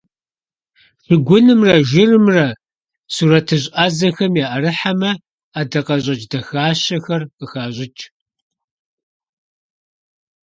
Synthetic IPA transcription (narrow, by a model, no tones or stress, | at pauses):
fɨɡʷʊnɨmrɐʒɪrɨmrɐ | suɾɐtʰɨɕʼazɐxɐmjaːʔɐɾɨħamɐ | aːdɐqɐʑʼɐt͡ʃʼdɐxaːɕɐxɐrqəxaːʑʼɪt͡ʃʼ